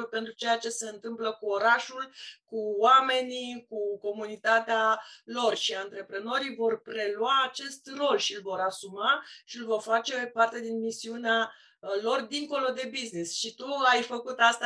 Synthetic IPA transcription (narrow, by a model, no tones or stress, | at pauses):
pe̞nt̪ɾut͡ʃe̞jat͡ʃe̞se̞ɨnt̪ɨmpləkuoɾaʃulkuwame̞nikuko̞munit̪at̪ealo̞rʃiaɨnt̪ɾe̞pɾeno̞ɾijvo̞rpɾe̞luwaːt͡ʃe̞st̪ro̞lʃiɨlvo̞ɾasumaʃilvo̞rfat͡ʃe̞part̪e̞d̪inmisiunea | lo̞rd̪iŋko̞lo̞d̪e̞biznisʃit̪uajfəkut̪ast̪a